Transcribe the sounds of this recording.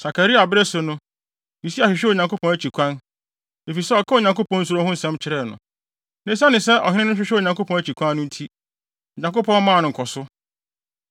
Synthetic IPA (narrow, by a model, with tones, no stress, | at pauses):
sa˨ka˨ɾi˦a˨bɪ˦ɾe˦sʊ˨nʊ̃˦ | i˨si˦a˨ɕᶣɪ˨ɕᶣɛ˦o˨ɲã˨ko˦pʰɔ̃˨˦æ˦t͡ɕi˨kʷʰã˦n | e˨fi˨sɛ˦ɔ˨kʰa˦o˨ɲã˨ŋko˦pɔ̃˦n̩˦s̬u˨ɾõ˦hʊ̃˦n̩˦sɛ̃˦m˦t͡ɕʰɪ˨˦ɾɛ˦˨nʊ̰̃˨ | nɪ̃˦s̬a˦nɪ̃˨sɛ˦ʔɔ̰˨hɪ˦nɪ̃˦nʊ̃˦ɕᶣɪ˦ɕᶣɪ˦o˨ɲã˨ŋko˦pʰɔ̃˨˦æ˦t͡ɕʰi˨kʰʷã˦nːʊ̃˦n̩˦tʰi˦ | o˨ɲã˨ko˦pʰɔ̃˦n˦mãː˦˨nʊ̃˨ŋ̩˨kʰɔ˨sʊ˦